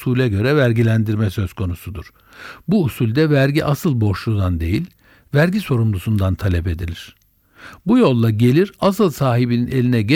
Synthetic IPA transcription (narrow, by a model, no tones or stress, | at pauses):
ulʲɛɟø̞ɾɛvæɾɟilʲænd̪iɾmɛsø̞z̥kʰo̞nusud̪uɾ̥ | buːsulʲd̪ɛvæɾɟiʔasɯlˠbo̞ʃlˠud̪and̪e̞̰jilʲ | væɾɟiso̞ɾumd̪ˠusund̪ant̪ʰalʲɛpe̞d̪ilʲiɾ̝̥ | bujo̞lˠːaɟe̞lʲiɾasɯlˠsaːɦibinine̞lʲinɛɟɛ